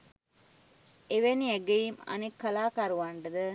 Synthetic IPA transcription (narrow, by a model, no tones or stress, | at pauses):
eʋenieɡeimɐ̰nekːɐlaːkaɾuʋaɳɖəd̪ə